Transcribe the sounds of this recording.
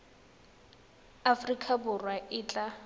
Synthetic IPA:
afrikʼabʊrwaʔɪːt͡ɬʼa

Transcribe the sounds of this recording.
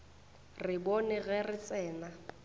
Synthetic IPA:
rɪbɔnɛɣɛrɪt͡sʼɛːna

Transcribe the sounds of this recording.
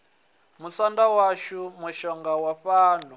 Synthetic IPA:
musandawaʃumuʃɔŋɡawaɸaːnu

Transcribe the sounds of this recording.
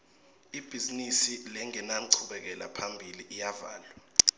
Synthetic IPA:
ib̥ʱizinisilɛŋɛnam̩ǀʰuɓɛk̬ɛla̰pʰambʱiliʔijava̰ːlwa

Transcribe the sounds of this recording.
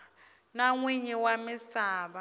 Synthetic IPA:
naŋwiɲɛwamɪsaːβa

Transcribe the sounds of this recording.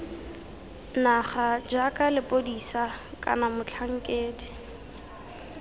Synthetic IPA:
naχad͡ʒakʼalɪpʼodisakʼa̰namʊt͡ɬʰaŋ̩kʼeːdi

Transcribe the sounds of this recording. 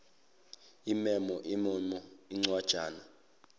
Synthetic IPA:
imɛmɔʔimɔmɔiŋ͡ǀwad̥ʒ̥ʱaːna

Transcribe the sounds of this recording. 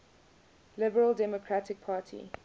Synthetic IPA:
lɪbəɹəlˠdɛmɔkʰɹatɪk̚pʰɑːtʰḭ

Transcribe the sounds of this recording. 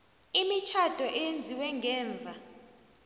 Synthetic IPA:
imit͡ʃʰad̥ʱɔʔɛjend͡zʱiwɛŋɡɛːɱvʱa

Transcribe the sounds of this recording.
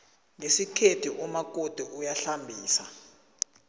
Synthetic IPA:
ŋesikʰetʰiʔumak̬ʼod̥ʱuʔujaɬambʱiːsa̰

